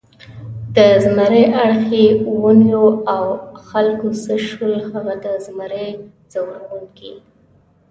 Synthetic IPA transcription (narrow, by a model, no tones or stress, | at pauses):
d̪əzmaɾəʔaɽxewunjoawxalkosəʃəlhaɣad̪əzmaɾe | z̥awɾawunki